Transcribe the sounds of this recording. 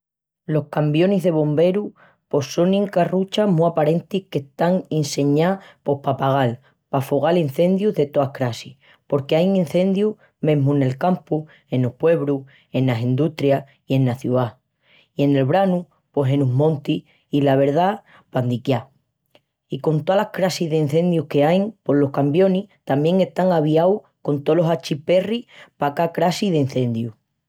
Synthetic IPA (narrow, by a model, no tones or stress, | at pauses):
lo̞hkambjo̞niɦðe̞β̞o̞mbe̞ɾu | po̞sːo̞niŋkarut͡ʃamuapaɾe̞nt̪ihke̞ht̪aŋinse̞ɲapo̞hpapaɣ̞al | pafoɣ̞alin̟θe̞nd̪juðet̪oahkɾasih | po̞ɾke̞ajin̟θe̞nd̪ju | mẽ̞ɦmuene̞lkampu | e̞nopwe̞βɾu | e̞nasind̪uht̪ɾja | ie̞naθjua | ie̞ne̞lβɾanu | po̞ɦe̞nuɦmõ̞nt̪i | ilaβ̞e̞ɾða | pand̪ikja | iko̞nt̪oalahkɾasiðein̟θe̞nd̪juhke̞ajŋpo̞lo̞hkambjo̞niht̪amje̞ŋe̞st̪aŋaβ̞iaw | ko̞nt̪o̞lo̞sat͡ʃipe̞ripakakɾasiðein̟θe̞nd̪ju